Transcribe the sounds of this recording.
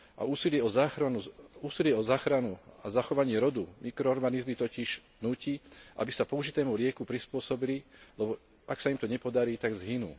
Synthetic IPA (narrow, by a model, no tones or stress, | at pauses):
ʔa̰uːsilɪɛɔzaːxɾanuuːsilɪɛɔzaːxɾanuazaxɔʋaɲɪɛɾɔd̪umikɾɔɔɾɡanizmit̪ɔciʒ̥ | nuːciʔa̰bisapɔuʒit̪ɛːmulɪɛkupɾispʊɔsɔbililɛbɔ | aksaimt̪ɔɲɛpɔd̪aɾiːt̪aɡzɦinṵː